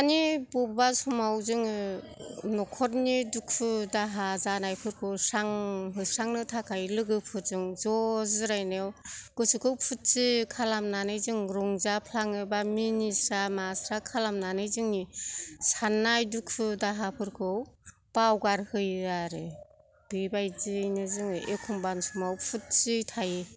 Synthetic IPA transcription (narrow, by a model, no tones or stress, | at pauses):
anibubasumawzɯŋ | nɔkʰɔtnidukʰɯdaɦazanajpʰɯɾkʰɯwsaŋɦɯsaŋnɯtʰakʰajlɯɡɯpʰɯt̚zɯŋzɔzɾajnewɡ̥ɯsɯkʰɯwpʰut̚sɯkʰalamnanɯjzɯŋɾuŋzapʰlaŋɯbaminisamasɾakʰalamnanɯjzɯŋnisanːajdukʰɯdaɦapʰɯɾkʰɯw | b̥awɡaɾhɯjaɾɯ | b̥ibajzɯjnɯzɯŋɯʔekʰumbansumawpʰut̚t͡ʃitʰaji